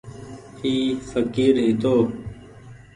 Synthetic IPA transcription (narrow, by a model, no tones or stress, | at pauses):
iːsəkiːɾɦɪt̪oː